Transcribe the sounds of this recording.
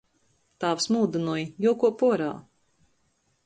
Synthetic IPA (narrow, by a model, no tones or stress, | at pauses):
t̪aːfsmuːd̪ɨnujjuɔkuɔpuɔɾa̰ː